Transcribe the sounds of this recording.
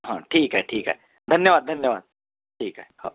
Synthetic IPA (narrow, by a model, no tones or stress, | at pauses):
ɦãːʈʰiːkɦɛːʈʰiːkɦɛ̰ː | d̪ʱɐnjəʋaːd̪̚d̪ʱɐnjəʋaːd̪̚ | ʈʰiːkɦɛho̰ː